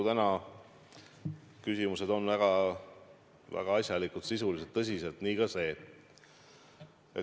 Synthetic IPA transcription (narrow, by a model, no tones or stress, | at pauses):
ut̪ænɑ | kysimuse̞d̪̥o̞nvæɡ̥ɑ | væ̰ɡ̥ɑɑsʲjɑlikut̪sisuliset̪ːɤs̬ʲise̞lt̪niːkɑse̞ː | e